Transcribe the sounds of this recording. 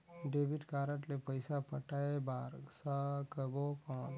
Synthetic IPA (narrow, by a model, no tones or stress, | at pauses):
ɖeːbɪʈkaːɾəʈlepəɪsapəʈaebaːɾsakəbopãːn